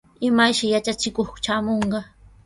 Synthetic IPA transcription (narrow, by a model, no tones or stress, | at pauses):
ɪmajʃɪjat͡ʃat͡ʃɪkoχt͡ʃaːmoɴɢɑ